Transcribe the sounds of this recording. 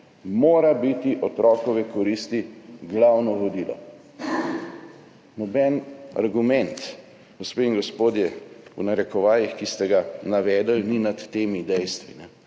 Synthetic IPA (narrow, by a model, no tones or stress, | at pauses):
moːɾabit̪iʔɔt̪ɾʔɔːkɔʋɛkɔɾist̪iɡlawnɔʋɔd̪iːlɔ̰ | nɔbɛna̰ɾɡumɛnt̪ | ɡ̥ospeiŋɡɔspoːd̪jɛṵnaɾɛkɔʋaːjixkist̪ɛɡanaʋɛːd̪əlninat̪ːeːmid̪ɛjst̪ʋḭnɛ